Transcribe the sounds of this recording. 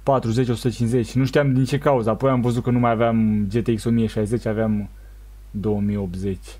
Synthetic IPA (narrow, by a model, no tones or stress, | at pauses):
pat̪ɾuze̞t͡ʃʲo̞sut̪ət͡ʃinszet͡ʃʲnuʃt̪ijamd̪int͡ʃe̞kauzəapo̞jamvəzut̪̚kənumajaveamd͡ʒe̞t̪eikso̞mijəʃajze̞t͡ʃʲaveam | d̪o̞wəmijo̞p̪̚ze̞t͡ʃʲ